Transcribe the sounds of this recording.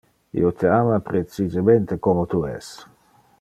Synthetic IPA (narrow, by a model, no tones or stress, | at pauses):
ḭot̪ʰeaːmapɾet͡sizement̪ekomot̪uɛ̰s